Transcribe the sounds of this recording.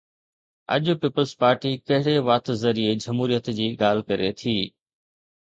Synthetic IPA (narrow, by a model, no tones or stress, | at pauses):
ɐ̰ʄpiːpəlzpaːɾʈikɐɦɪɽeʋaːt̪zɐɾied͡ʑɐmɦuːɾijət̪d͡ʑiːɠaːl̤kɐɾet̪ʰiː